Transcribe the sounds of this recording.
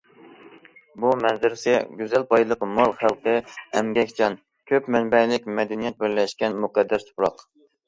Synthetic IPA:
bumɛnzɪɾɪsɪɡʲyzɛlpɑjlˠəqmɑlˠχælˠqʰəɛmɡʲɛkʲt͡ʃʰɑn | kʲʰøpmɛnbɛlɪkʲmɛd̪ɛnijɛt̪̚bɪɾlɛʃkʲɛnmuqæd̪ːɛst̪ʰʊ̥pɾɑq

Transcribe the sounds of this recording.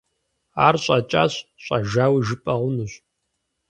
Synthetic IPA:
aːrɕʼɑt͡ʃʼa̰ːɕɕʷʼaʒaːwiʒɨpʼɐʁʷʊnɨɕʷʼ

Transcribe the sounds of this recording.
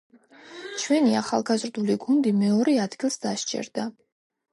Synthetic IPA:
t͡ʃʰwɛniaχalˠɡazɾd̪uliɡund̪imɛɔɾɛad̪ɡilˠsd̪aʃt͡ʃʼɛ̰ɾd̪̥a

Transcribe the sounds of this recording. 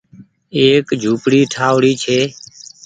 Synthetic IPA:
eːkd͡ʒʱuːpɽiːʈʰaːʋɽiːt͡ʃʰeː

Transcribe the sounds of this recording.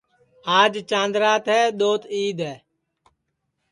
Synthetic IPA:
aːd͡ʒt͡ʃãːnd̪ɾaːt̪ɦɛːɗ̪oːt̪iːd̪ɦɛː

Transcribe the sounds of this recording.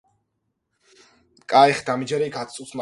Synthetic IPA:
kʼaɛχd̪amid͡ʒaɾɛɡat̪sʼusma

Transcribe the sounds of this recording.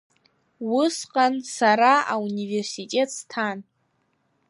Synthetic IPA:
wʊsqʼansaɾaaunive̞rsitʼe̞tʼstʰan

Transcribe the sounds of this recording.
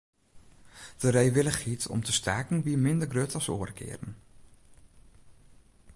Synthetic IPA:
d̥əɾejʋɪləχitʰɔ̰mtəstʰaːkn̩ʋiəmɪndərɡrøtɔso̰ːərkʰɪ̰ːɾən̩

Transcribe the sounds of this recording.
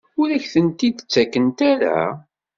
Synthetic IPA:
ʊɾæçθənt̪id̪ət͡sːækːənt̪æɾa̰

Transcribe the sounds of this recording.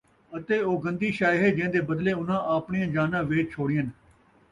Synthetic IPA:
ət̪eːoːɡənd̪iːʃaːɦeːd͡ʒẽːd̪eːbəd̪leːʊnãːʔaːpɳijãːd͡ʒaːnãːʋeːt͡ʃt͡ʃʰoːɽɪjən

